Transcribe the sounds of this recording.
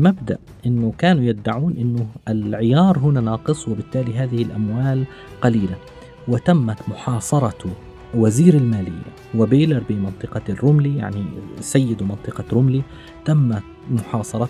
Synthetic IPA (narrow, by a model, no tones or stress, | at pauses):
lmabd̪a̰ʔʔɪnːʊkaːnujab̚d̪ːaʕuːnʔɪnːʊɪlʕɪjɑːɾˤɦʊnanɑːqɨsˤwɪbɪt̪ːaːliɦaːðɪhɪlʔamwaːl | qɑliːla | wɪt̪amːat̪mʊħɑːsˤɑɾˤɑ | waziːɾalmaːlɪ̰jːa̰ | wɪbeːlɪɾbimɑnt̪ˤɨqɑrːʊmlija̰ʕnisajːɪd̪mɑnt̪ˤɨqɑɾʊmli | t̪amːamʊħɑːsˤɑɾˤɑ